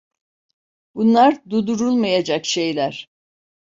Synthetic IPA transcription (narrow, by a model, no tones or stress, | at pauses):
bunlˠaɾd̪ud̪uɾulˠmajad͡ʒakʃe̞jlʲæɾ̥